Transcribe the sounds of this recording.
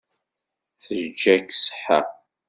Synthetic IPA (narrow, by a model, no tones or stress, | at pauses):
θəʒd͡ʒːæksə̥ħa̰